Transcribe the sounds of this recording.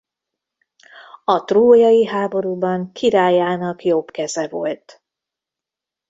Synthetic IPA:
ɒt̪roːjɒjiɦaːbo̞ɾuːbɒŋkʰiɾaːjaːnɒkjobkɛzɛvo̰lt̪

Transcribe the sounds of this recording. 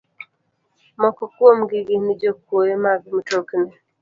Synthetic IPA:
mɔkɔkwomɡɪɡɪnɪd͡ʒokwojemaɡ̚m̩toknɛ

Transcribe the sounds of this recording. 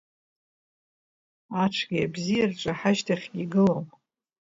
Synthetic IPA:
aʈ͡ʂʰɡʲiabzijarʈ͡ʂʷʼaħaʃtʰaχʲɡʲiɡɨlom

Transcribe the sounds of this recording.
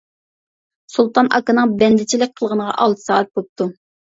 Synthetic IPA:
sulˠt̪ʰɑnʔɑkɨnɨŋbɛnd̪ɪt͡ʃʰilɪk̚ʲqʰəlˠʁənəʁɑ̰ʔɑlˠt̪ʰsɑːt̪̚bop̚t̪ʰu

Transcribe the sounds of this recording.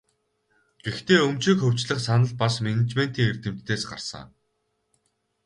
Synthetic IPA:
ɡ̥ext̪eːɵmt͡ɕiːkxɵw̥ʲt͡ɕɮə̆χsanə̆ɮ̚pasmenet͡ɕmen̥t̪iːŋert̪ɘ̆m̥t̪ʰːeːsɢa̰rsə̰ŋ

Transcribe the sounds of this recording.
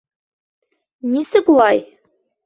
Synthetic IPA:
nʲisɘkulˠɑj

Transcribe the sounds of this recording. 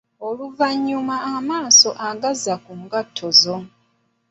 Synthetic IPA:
oluvaɲːumaːmaːso̞ʔaɡazakuŋɡatʰːozo̞

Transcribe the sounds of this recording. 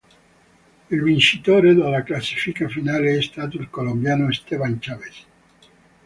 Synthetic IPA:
ilvint͡ʃit̪oːɾed̪alaklasːi̥fikafinaːleɛst̪aːt̪̬oilkolombjaːnoest̪ɛvant͡ʃavese̥

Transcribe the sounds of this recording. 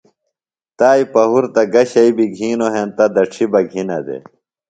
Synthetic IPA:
t̪aːipɐɦuɾt̪ɐɡɐɕɐibiɡʱiːnoɦent̪ɐd̪ɐʈ͡ʂʰibɐɡʱinɐ̰d̪ḛ

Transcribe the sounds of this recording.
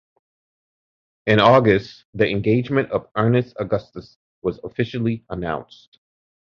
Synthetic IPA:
ɨ̃nɔɡɨst | ðiʔɨ̃nɡeɪd͡ʒmɨ̃ntʌvɜ˞nɨstəɡʌstɨs | wʌzəfɪʃl̩ˠiənã̰ʊ̃nst

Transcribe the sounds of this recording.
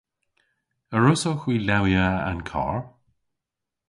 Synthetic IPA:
əɹʊsoxwiːlawjaa̰nkʰɔ̰ɹ

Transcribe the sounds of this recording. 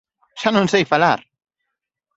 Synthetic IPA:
ʃanunsejfalaɾ

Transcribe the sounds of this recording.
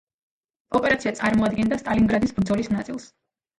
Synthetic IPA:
ɔpʼɛɾat̪sʰiat̪sʼaɾmɔad̪̚ɡɛnd̪ast̪ʼaliŋɡɾad̪isbɾd̪zɔlisnat̪sʼilˠs

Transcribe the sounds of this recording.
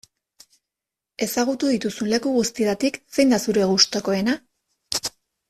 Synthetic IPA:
e̞saɣ̞ut̪uðit̪usunle̞kuɣust̪iðat̪ikse̞jnd̪asuɾe̞ɣust̪o̞ko̞e̞na

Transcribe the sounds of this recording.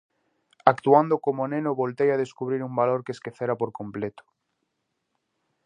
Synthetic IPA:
akt̪uand̪okomonẽnoβolt̪ejaðeskuβɾiɾumbaloɾkeskeθeɾapoɾkomplet̪o̥

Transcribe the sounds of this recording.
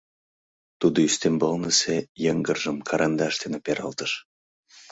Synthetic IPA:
t̪ud̪oyst̪embɤlnəsejəŋɡərʒəmkʰɑɾʔɑnd̪ɑʃt̪enepeɾɑ̰lt̪əʃ

